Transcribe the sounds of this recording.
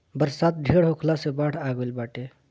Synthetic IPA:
bəɾsat̪̚ɖʱeɽɦokʰlasebaɽʰaɡolbaʈe

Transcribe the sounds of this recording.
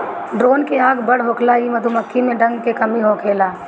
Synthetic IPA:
ɖɾoːnkeaːɡbɐɽ̤ɦoːkʰlaimɐd̪ʱumɐkʰːimẽɖɐ̃ŋɡkekɐmiɦoːkʰeːlaː

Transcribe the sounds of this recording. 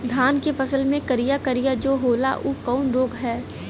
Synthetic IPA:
d̪ʱaːnkefɐsəlmẽkɐɾijakɐɾijad͡ʒoːɦoːla̰ʔuːkɔːnɾoːɡɦɛː

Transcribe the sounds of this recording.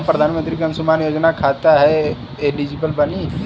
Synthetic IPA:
pɾəd̪ʱaːnmə̃nt̪ɾikɐ̃nsumaːnjoːd͡ʒnakʰaːt̪aɦɛ | elid͡ʒibəlbɐni

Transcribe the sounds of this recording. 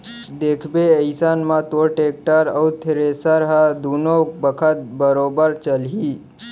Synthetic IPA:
d̪eːkʰbeəɪsanmãt̪oʈeːk̚ʈəɾəut̪ʰɪɾeːsəɾɦad̪uːnõbəkʰət̪̚bəɾoːbəɾt͡ʃəlɦiː

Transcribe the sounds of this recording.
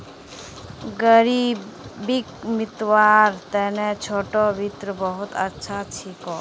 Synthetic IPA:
ɡəɾibikmit̪waɾt̪ɛnɛt͡ʃʰoʈɔbʱit̪ɾɔbɔɦut̪a̰tːʃʰat͡ʃʰikɔ

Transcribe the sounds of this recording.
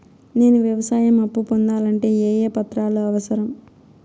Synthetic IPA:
ne̞ːnuʋjɐʋɐsaːjɐmɐpːupond̪aːlɐɳʈe̞ːeːjeːpɐt̪ɾaːloːɐʋɐsɐɾɐm

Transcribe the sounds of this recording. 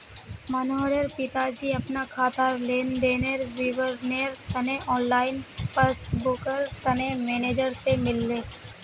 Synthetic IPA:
mɐnoːɾəɾpɪt̪ad͡ʒiɐpnakʰaːt̪aːɾleːnd̪eːneɾʋiʋəɾneːɾt̪ɐneʔɔːnlaːɪnpəsbʊkəɾt̪ɐnemeːneːd͡ʒəɾsemɪlːeː

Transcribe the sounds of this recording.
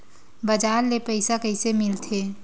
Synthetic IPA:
bəd͡ʒaːɾlepəɪsakəɪsemɪlt̪ʰe

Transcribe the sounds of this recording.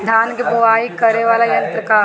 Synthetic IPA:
d̪ʱaːnkebʊʋaːikɐɾeʋaːlajɐ̃nt̪ɾəka

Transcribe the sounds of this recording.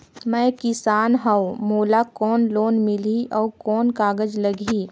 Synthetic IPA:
mɛ̃ːkɪsaːnɦəomoːlakɔːnloːnmɪliɔːkɔːnkaːɡəd͡ʒləɡʱiː

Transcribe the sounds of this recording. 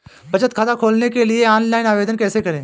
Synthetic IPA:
bʱɐt͡ʃət̪̚kʰaːd̪akʰoːlnekelieɔːnlaːɪnaːʋeːd̪ənkɛːsekɐɾẽː

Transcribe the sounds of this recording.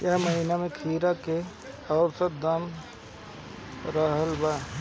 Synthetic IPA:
jəɦməɦiːnamẽkʰiːɾake | ɔːʊɾsət̚d̪əm | ɾəɦəlbaː

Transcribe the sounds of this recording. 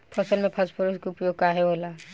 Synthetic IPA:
pʰɔsəlmepʰaspʰɔɾuskupjoɡkaɦeɦola

